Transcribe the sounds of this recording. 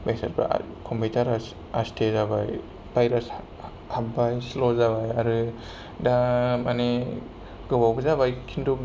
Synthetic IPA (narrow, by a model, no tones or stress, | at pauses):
basa̰ɾba̰ | kʰɔmpitʰaɾas | astʰezaβaj | b̥ajɾas | habajslɔzaβajaɾɯ | damane | ɡ̥ɯbawɡɯzaβajkʰindu